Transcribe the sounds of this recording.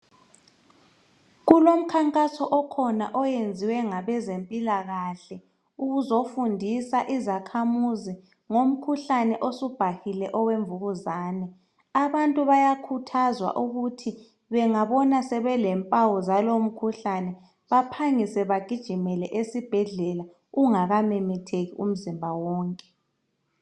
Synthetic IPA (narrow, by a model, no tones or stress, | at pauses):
ɣulom̩kʰaŋkʼasɔʔɔkʰɔna̰ʔɔjend͡zʱiwɛŋaβɛzempʼilaɣaɬɛ | uɣuzofundʱisaʔizakʰamuzi | ŋom̩kʰuɬanɛʔosub̥ʱahilɛʔɔweɱvuɣuzaːnɛ | aβantʼuβajakʰutʰazwa̰ʔuɣutʰi | βɛŋaβɔnasɛβɛlɛmpʼawɔzalom̩kʰuɬanɛ | βapʰaŋisɛβaɡ̥ʱid̥ʒ̥ʱimɛlɛʔesib̥ʱɛɮɛla | uŋaɣamɛmɛtʰeɣiʔum̩zimbʱawɔːŋkʼɛ̥